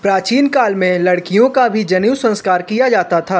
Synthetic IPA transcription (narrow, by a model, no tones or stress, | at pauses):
pɾaːt͡ʃiːnkaːlmẽlɐɽkijõkabʱid͡ʒɐniwsɐ̃nskaːɾkijad͡ʒaːt̪at̪ʰaː